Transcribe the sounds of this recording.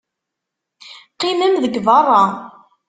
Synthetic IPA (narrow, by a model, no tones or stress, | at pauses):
qːiməmðəɡvɑrˤːɑ